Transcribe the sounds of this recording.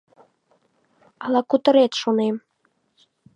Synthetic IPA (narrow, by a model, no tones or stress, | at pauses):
ɑlˠɑkut̪ə̆ɾet̪ʃonem